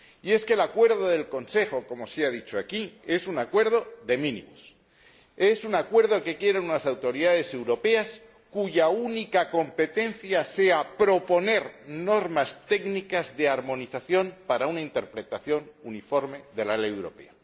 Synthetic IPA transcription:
ie̞ske̞lakwe̞ɾðoðe̞lko̞nse̞xo̞ko̞mo̞seaðit͡ʃoakie̞sunakwe̞ɾðo̞ðe̞mĩnḭ̃mos | e̞sunakwe̞ɾðo̞ke̞kje̞ɾenunasawt̪o̞ɾiðaðe̞se̞wɾo̞pe̞as | kuʝaunikako̞mpe̞t̪e̞nθjase̞apɾo̞po̞ne̞ɾno̞ɾmast̪e̞knikazðe̞aɾmõ̞niθaθjo̞mpaɾaunaint̪e̞ɾpɾe̞t̪aθjo̞nunifo̞ɾme̞ðe̞lalejewɾo̞̰pe̞̰a

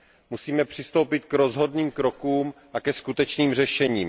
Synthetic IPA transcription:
musiːmɛpr̝̥ɪst̪o̞wpɪt̪̚kɾo̞zɦo̞dniːmkɾo̞kuːmʔakɛskut̪ɛt͡ʃniːmr̝ɛʃɛɲiːm

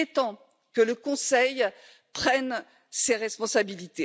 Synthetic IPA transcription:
et̪ɑ̃ | kələkɔ̃sɛj | pχɛn | seʁɛspɔ̃sabilit̪e

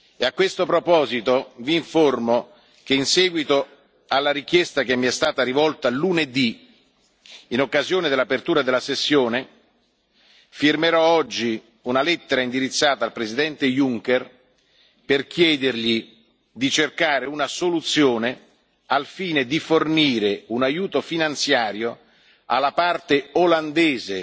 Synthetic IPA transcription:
eakːwest̪opɾopɔːzit̪oviːɱformo | k̟einsɛːɡwit̪o | alːaɾik̟jɛst̪ak̟emːiɛst̪aːt̪aɾivɔlt̪aluned̪i | inokːazjoːned̪elapert̪uːɾad̪elːasesːjoːne | firmeɾɔɔd͡ʒːi | unalɛt̪ːeɾaind̪iɾit̪sːaːt̪aːlpɾezid̪ɛnt̪ejuŋkɛr | perkjɛːd̪erʎi | d̪it͡ʃerkaːɾeunasolut̪sːjoːne | alfiːned̪iforniːɾeunajuːt̪ofinant̪sjaːɾjo | a̰lːapart̪eoland̪eːze

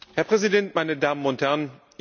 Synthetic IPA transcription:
hɛɐpʁ̥ɛzidɛntmaɪnədaːmənʊnthɛɐn

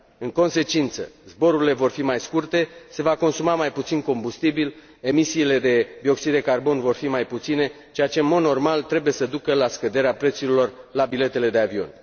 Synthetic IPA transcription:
ɨŋko̞nse̞t͡ʃint̪sə̰zbo̞ɾuɾile̞vo̞rfimajskurt̪e̞se̞vako̞nsumamajput̪sinko̞mbust̪ibil | e̞misiːle̞d̪e̞bio̞ksid̪d̪e̞karbo̞nvo̞rfimajput̪sine̞ | t͡ʃejat͡ʃe̞ɨnmo̞d̪no̞rmalt̪ɾe̞buje̞səd̪ukəlaskəd̪e̞ɾeapɾe̞t̪suɾilo̞rlabile̞t̪e̞le̞d̪e̞avio̞̰n

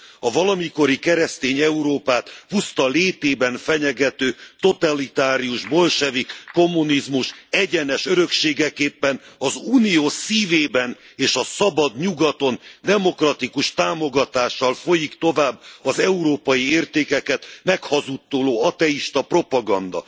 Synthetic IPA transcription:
ɒvɒlɒmiko̞ɾikɛɾɛst̪eːɲɛuɾoːpaːt̪pust̪ɒleːt̪eːbɛnfɛɲɛɡɛt̪øːt̪o̞t̪alit̪aːɾiuʒbo̞lʃɛvikːo̞mːunizmuʃɛɟɛnɛʃøɾø̞kʃeːɡɛkeːpːɛnɒzuːnijoːsiːveːbɛn | eːʃɒsɒbɒd̪ɲuɡɒt̪o̞nd̪ɛmo̞krɒt̪ikuʃt̪aːmo̞ɡɒt̪aːʃːɒlfo̞jikt̪o̞vaːbːɒzɛuɾoːpɒjieːrt̪eːkɛkɛt̪mɛkhɒzut̪ːoːloːɒt̪ɛiʃt̪ɒpro̞pɒɡɒnd̪ɒ̰

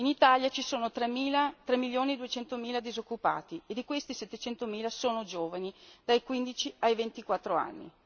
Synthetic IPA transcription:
init̪aljat͡ʃisoːnot̪ɾeiːlat̪ɾɛmːiljoːnied̪uet͡ʃɛnt̪omiːlad̪izokːupa̰ːt̪ied̪ikwest̪isɛt̪ːet͡ʃɛnt̪omiːlasoːnod͡ʒoːvanid̪̥ajkwind̪it͡ʃiajvent̪ikwat̪ːɾoa̰nːḭ

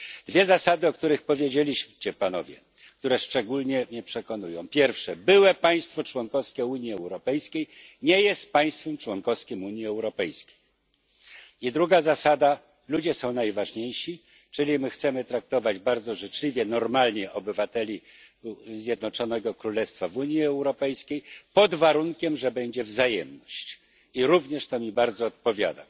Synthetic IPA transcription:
d̪̥vʲjɛzasad̪ɘɔkt̪uɾɘxpɔvʲjed͡ʑelʲiɕmt͡ɕɛpanɔ̰vʲjɛ̰ | k̚t̪uɾɛʂt͡ʂɛɡulɲɛmɲɛpʂɛkɔnujɔ̰̃w̃pʲjɛɾfʂɛbɘwɛpaj̃st̪fɔt͡ʂwɔnkɔskʲɛuɲiɛwɾɔpɛjskʲejɲɛjɛst̪̚paj̃st̪fɛmt͡ʂwɔnkɔfskʲimuɲjiɛwɾɔpɛjskʲe̥j | id̪ɾuɡazasad̪a | lud͡ʑɛsɔ̃w̃najvaʐɲejɕi | t͡ʂɘlʲimɘxt̪sɛmɘt̪ɾak̚t̪ɔvad͡ʑbaɾd̪zɔʐɘt͡ʂlʲivʲjɛnɔɾmalɲɛʔɔbɘvat̪ɛlʲi | zʲjɛd̪nɔt͡ʂɔnɛɡɔkɾulɛst̪favuɲjiɛwɾɔpɛjskʲejpɔd̪vaɾuŋkʲɛmʐɛbɛɲd͡ʑɛvzajɛmnɔɕt͡ɕ | iɾuvɲɛʂt̪ɔmʲibaɾd̪zɔːt̪̚pɔvʲja̰d̪a̰

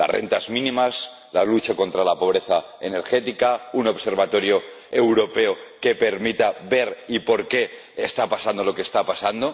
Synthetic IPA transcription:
la̰srʔḛnt̪azmĩnĩmas | lalut͡ʃako̞nt̪ɾalapo̞βɾe̞θaene̞ɾxe̞t̪ikauno̞βse̞ɾβat̪o̞ɾjo̞ | e̞wɾo̞pe̞oke̞pe̞ɾmit̪aβe̞ɾipo̞ɾke̞ | est̪apasand̪o̞lo̞kest̪apasand̪o̞

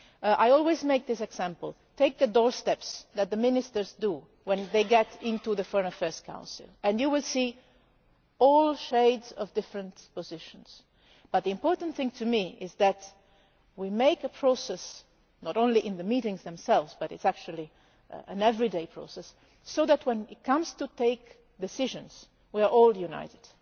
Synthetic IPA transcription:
ʔaɪɔlˠwizmeɪk̚ðɪsɨɡz̥æ̃mpəlˠ | tʰeɪk̚ðɨdɔɹstɛpsðɨt̪̚ðəmɪ̃nɪstə˞zdu | wɛ̃nðeɪɡɛɾɪ̃ntuðəfɔɹ̃nəfɛɹz̥kʰã̰ʊ̃nsɨ̰lˠɨ̃njɨwɪlˠsi | ɔlˠʃeɪdzʌvdɪfɹə̃ntpəzɪʃə̃nz̥ | b̥ʌt̪̚ðiɨ̃mpɔɹtə̃n̩t̪θɪ̃ŋtʰɨmiɪzðæt | wimeɪkəpʰɹ̥osɛs | nɔɾõʊ̃nliʔɪ̃nðəmiɾɪ̃ŋzðɛ̃msɛlvzbʌɾɪtsæk̚t͡ʃul̩ˠi | ɨ̰̃nɛvɹideɪpʰɹ̥o̰sɛsː | oʊðætʰwɛ̃nɪt̚kʰʌ̃mz̥tuteɪk | d̪ɪsɪʒə̃nz̥ | wiaɹʔɔlˠjuna̰ɪɾɨd̥

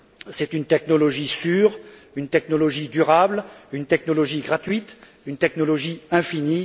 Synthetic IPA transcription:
sɛt̪ynt̪ɛknɔlɔʒisyːʁ | ynt̪ɛknɔlɔʒid̪yʁablynt̪ɛknɔlɔʒiɡʁat̪ɥit̪ | ynt̪ɛknɔlɔʒiɛ̃fini

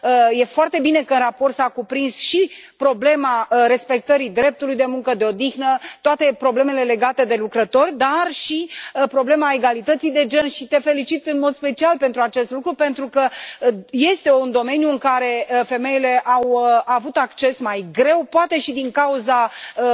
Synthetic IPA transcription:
əje̞foart̪e̞bine̞kəɨnrapo̞rt̪sakupɾinsʃipɾo̞ble̞maɾe̞spe̞k̚t̪əɾid̪ɾe̞p̚t̪ulujd̪e̞muŋkəd̪e̞o̞d̪ixnət̪oat̪e̞pɾo̞ble̞me̞le̞le̞ɡat̪e̞d̪e̞lukɾət̪o̞rʲd̪arʃipɾo̞ble̞mae̞ɡalit̪ət̪sijd̪e̞d͡ʒe̞nʃit̪e̞fe̞lit͡ʃit̪ɨnmo̞d̪spe̞t͡ʃialpe̞nt̪ɾuat͡ʃe̞st̪lukɾupe̞nt̪ɾukə | je̞st̪e̞und̪o̞me̞njuɨŋkaɾe̞fe̞me̞jile̞ʔawəavut̪akt͡ʃe̞smajɡɾe̞wpoat̪e̞ʃid̪iŋkauzaə

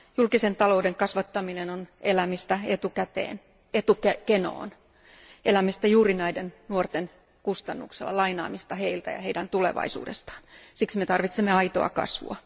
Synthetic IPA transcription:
julkisent̪ɑlo̞udeŋkɑsʋɑt̪ːɑminenonʔelæmist̪æet̪ukæt̪ḛːn | et̪ukækeno̰ːn | ʔelæmist̪æjuːrinæidennuort̪en | kust̪ɑnːṵkselːɑ̰lɑinɑ̰ːmist̪ɑheilt̪æ̰jɑ̰heidænt̪ulḛʋɑ̰isṵːdest̪ɑ̥ːnsiksmet̪ɑrʋit̪semːeɑit̪o̰ɑ̰kɑ̰sʋṵɑ̰

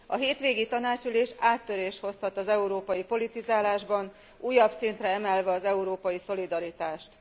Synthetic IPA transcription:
ɒ̰ɦeːt̪ʋeːɡit̪ɒnaːt͡ʃyleːʃaːt̪ːø̞ɾeːʃho̞shɒt̪ɒzɛuɾoːpɒjipo̞lit̪izaːlaːʒbɒn | ʔuːjɒbsint̪rɛɛmɛlvɛɒzɛuɾoːpɒjiso̞lid̪ɒɾit̪aːʃt̪

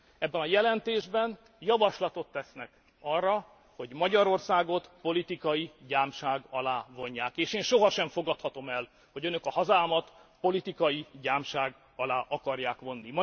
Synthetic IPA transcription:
ɛbːɛnɒjɛlɛnt̪eːʒbɛn | jɒvɒʃlɒt̪o̞t̪ːɛsnɛk | ɒrːɒ | ho̞ɟmɒɟɒɾo̞rsaːɡo̞t̪po̞lit̪ikɒjiɟaːmʃaːɡɒlaːvo̞ɲːaːkeːʃeːnʃo̞ɦɒʃɛɱfo̞ɡɒt̪hɒt̪o̞mɛl | ho̞ɟønøkɒhɒzaːmɒt̪po̞lit̪ikɒjiɟaːmʃaːɡ | ɒlaːʔɒkɒrjaːkʋo̞nːimɒ

